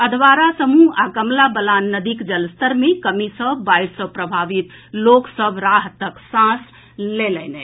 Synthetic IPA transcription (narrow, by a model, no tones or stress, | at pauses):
əd̪ʱʋaɾasəmuakəmlabəlanːəd̪ikd͡ʒəlst̪əɾmekəmisəbaisəpɾəbʱaʋit̪loksəbɾaɦt̪əksãs | lelɛnɛ